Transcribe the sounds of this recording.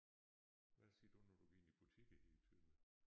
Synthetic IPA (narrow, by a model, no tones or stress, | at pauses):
ʋæsiɐd̥unɔd̥u̥ḛnib̥ut͡sʰiɡ̥̩helt͡sʰyð̰ˠn̩